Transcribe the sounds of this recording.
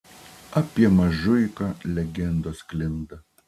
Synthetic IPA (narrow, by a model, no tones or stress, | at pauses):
ɐpʲiɛmɐʒʊɪkɑlʲɛɡʲɛnd̪oːsklʲɪnd̪ɐ